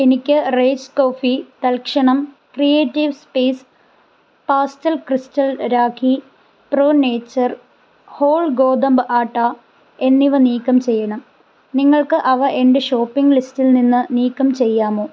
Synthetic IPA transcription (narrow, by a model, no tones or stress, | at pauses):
e̞nikʲːɨreːd͡ʑko̞ːfit̪ɐlkʂɐɳɐm | krijeːtːiʋspeːs | paːstɐlkristɐlɾaːkʰi | pro̞ːne̞ːt͡ɕːɐr | ho̞ːɭɡo̞ːd̪ɐmbɨʔaːʈːa | e̞nːiʋɐniːkːɐmt͡ɕe̞jːɐɳɐm | niŋːɐɭkɨʔɐʋɐʔende̞ɕo̞ːpːiŋɡlistilninːɨniːkːɐmt͡ɕe̞jːaːmoː